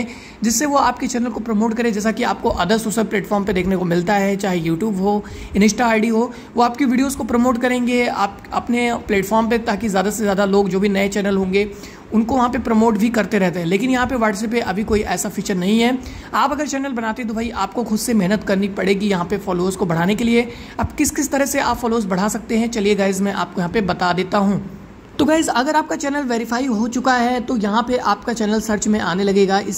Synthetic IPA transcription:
d͡ʒɪsːeʋoaːpket͡ʃɛːnəlkopɾɐmoːʈkɐɾẽd͡ʒɛːs̬akiaːp̚koʔɐd̪əsoːʃəlplɛːʈfɔːɾmped̪eːkʰnekomɪlt̪aɦɛt͡ʃaːɦejuːʈjuːbɦoː | ɪnɪsʈaaːɪɖiɦoː | ʋoaːpkeʋiːɖijoːzkopɾɐmoːʈkɐɾẽːŋɡeaːp | ɐ̰pneplɛːʈfɔːɾmpet̪aːkizjaːd̪asezjaːd̪aloːɡd͡ʒoːbʱinɐet͡ʃɛːnəlɦõːŋɡe | ʊnkoʋɐɦãpepɾɐmoːʈbʱikɐɾt̪eɾɛɦt̪eɦɛ̃leːkɪnjɐɦãpeʋaːʈs̬ɛːpeʔɐbʱikoːiʔɛːsafiːt͡ʃəɾnɐɦĩɦɛː | aːpɐɡəɾt͡ʃɛːnəlbɐnaːt̪ẽɦɛ̃t̪obʱaːiʔaːp̚koxʊd̪semɛɦnət̪kɐɾnipɐɽeːɡijɐɦãpefɔːloːzkobɐɽ̤aːnekelie | ɐbkɪskɪst̪ɐɾəɦseaːpfɔːloːzbɐɽ̤aːsɐk̚t̪eɦɛ̃t͡ʃɐlieɡaːɪzmɛ̃ʔa̰ːp̚kojɐɦãpebɐt̪ad̪eːt̪aɦũː | t̪oɡaːɪzɐɡəɾaːp̚kat͡ʃɛːnəlʋeːɾɪfaːiɦot͡ʃʊkaɦɛt̪ojɐɦãpeʔaːpkat͡ʃɛːnəlsɐɾt͡ʃmẽʔaːnelɐɡeːɡaːʔɪs

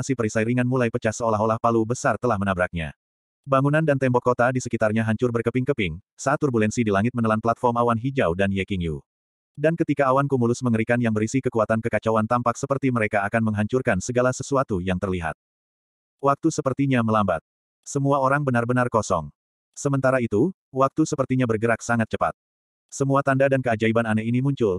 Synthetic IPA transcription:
asipəɾisajɾiŋanmulajpət͡ʃahsəolaɦolahpalubəsart̪əlahmənabɾak̚ɲa̰ | baŋunandant̪ɛmbɔkːot̪adisəkit̪arɲaɦaɲt͡ʃʊrbərkəpɪŋkəpɪŋ | saat̪ːurbulɛnsidilaŋɪt̪̚mənəlanplat̪̚fɔrmawanɦid͡ʒawdanjɛkiŋjṵ | dankət̪ikaːwankumulʊsməŋəɾikanjaŋbəɾisikəkuat̪ankəkat͡ʃawant̪ampak̚səpərt̪iməɾekaːkanməŋɦaɲt͡ʃurkansəɡalasəsuat̪ujaŋt̪ərliɦa̰t̪̚ | wak̚t̪usəpərt̪iɲaməlamba̰t̪̚ | səmuaoɾaŋbənarbənarkɔsɔ̰ŋ | səmənt̪aɾait̪u | wak̚t̪usəpərt̪iɲabərɡəɾak̚saŋat̪̚t͡ʃəpa̰t̪̚ | səmuat̪andadankəad͡ʒaibananainimuɲt͡ʃʊl

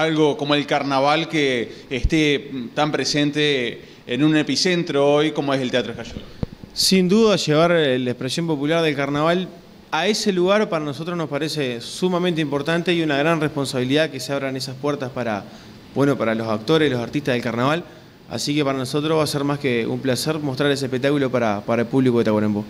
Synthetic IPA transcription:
alɣo̞komoelkaɾnaβalkeːht̪et̪ampɾesent̪eː | nunepisent̪ɾoojkomoeselt̪eat̪ɾoekaʃuðsind̪uðaʃe̞β̞aɾelekpɾesjo̞mpo̞pulaɾð̞e̞lkaɾnaβal | ae̞seluɣaɾpaɾano̞so̞t̪ɾosnospaɾesesumamẽnt̪eimpoɾt̪ant̪e̞iunaɣɾanrehpo̞nsaβiliðakeseaβɾanesaspwɛɾt̪aspaɾa̰ | bwe̞no̞paɾalo̞sak̚t̪o̞ɾeslo̞saɾt̪iht̪aɦðelkaɾnaβal | a̰sikepaɾano̞so̞t̪ɾoβaseɾmaskeṵmplaseɾmo̞ht̪ɾaɾe̞s̬ehpek̚t̪akulo̞paɾapaɾaelpuβliko̞ðet̪aɣwaɾembo

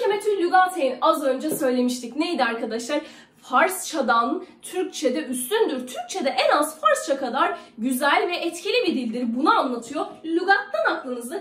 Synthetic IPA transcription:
emet̪ʰylʲyɡat̪ʰejinazø̞nd͡ʒɛsø̞jlʲe̞miʃt̪ʰicne̞jid̪iaɾkʰad̪aʃlˠaɾ | faɾst͡ʃʰad̪ant̪ʰyɾc̚t͡ʃʰed̪ɛʔyst̪ynd̪yɾt̪ʰyɾc̚t͡ʃʰe̞d̪ɛʔɛnazfaɾst͡ʃʰakʰad̪aɾɟyzælʲvɛʔɛt̪cʰilʲibid̪ilʲd̪iɾbunaanlˠat̪ʰɯjolʲyɡak̚t̪ʰːanaklˠɯnɯzd̪a

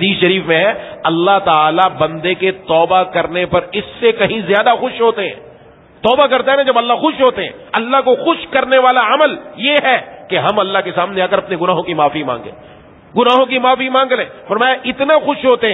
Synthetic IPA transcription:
ɦɐd̪iːsʃɐɾiːfmẽɦɛɐlːaɦt̪aːlabɐ̃nd̪eket̪ɔːbakɐɾnepɐɾɪsːekɐɦĩzjaːd̪axʊʃɦoːt̪eɦɛ̰̃ː | t̪ɔːbakɐɾt̪aɦɛnãd͡ʒɐbɐlːaxʊʃɦoːt̪eɦɛ̰̃ɐlːaɦkoxʊʃkɐɾneʋaːlaɐməljeɦɛkeɦɐmɐlːaɦkesaːmneaːkɐɾɐpneɡʊnaːɦõkimaːfimã̰ːŋɡlḛ̃ː | ɡʊnaːɦõkimaːfimãːŋɡlẽːfɐɾmaːjaʔɪt̪nexʊʃɦoːt̪eɦɛ̃

